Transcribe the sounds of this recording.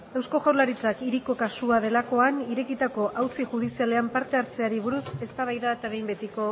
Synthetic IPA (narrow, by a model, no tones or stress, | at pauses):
e̞wsko̞ʝawlaɾit͡sakiɾiko̞kasuað̞e̞lako̞aniɾe̞kit̪ako̞ʔawt͡siʝuð̞isiale̞ampaɾt̪e̞aɾt͡se̞aɾiβ̞uɾuse̞st̪aβajðaet̪aβe̞jmbe̞t̪iko̞